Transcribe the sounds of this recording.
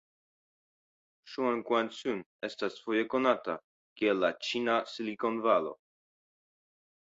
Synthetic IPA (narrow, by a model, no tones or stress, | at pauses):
ʃuaŋkwansun | est̪asfojekonat̪a̰ | kelat͡ʃinasilikonvalo̰